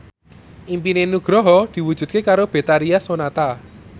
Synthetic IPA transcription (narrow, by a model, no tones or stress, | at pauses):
ʔimpinenuɡ̥ɾɔɦɔd̪̥i̤wudd͡ʒ̥ʒ̥ṳd̪̚kekaɾob̥e̤t̪aɾiasonat̪a